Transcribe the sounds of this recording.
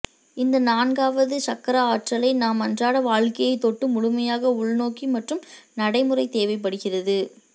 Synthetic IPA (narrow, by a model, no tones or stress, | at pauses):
ɪnd̪ɐnaːnɡaːʋɐðɯsɐkːɐɾɐaːʈrɐlɐɪnaːmɐndraːɽɐʋaːɻkɐjɐɪt̪ːɔʈːɯmʊɻʊmɐjaːɣɐʊɭnoːkimɐʈrɯmnɐɽɐɪmɯrɐɪt̪eːʋɐɪp̬ːɐɽɯɣɪrɐðɯ